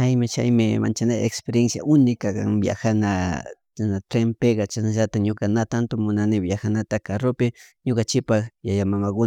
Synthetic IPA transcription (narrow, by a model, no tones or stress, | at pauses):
t͡ʃajmɪt͡ʃa̰jmɪma̰nt͡ʃanajaekspeɾjensja̰ʔʊnɪkaka̰ŋbja̰xanat͡ʃanat̪ɾempeɡɑt͡ʃanaʒat̪aɲokanat̪ant̪omʊnanɪbjaxanat̪akaɾopɪɲokant͡ʃɪpaxjajamamakʊ